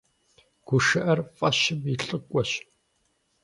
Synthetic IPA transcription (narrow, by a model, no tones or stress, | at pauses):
ɡ̥ʷʊʃɐʔɐrfʼɐʃɪbiɬʼɨkʷʼɔɕ